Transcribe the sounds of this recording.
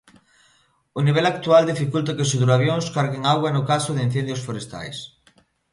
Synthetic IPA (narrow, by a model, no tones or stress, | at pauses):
ʊniβ̞ɛlak̚t̪uald̪ifikult̪akɪsuðuɾaβjoŋskaɾɣeŋaɣwanʊkasʊðɪin̟θɛnd̪josfoɾest̪a̰js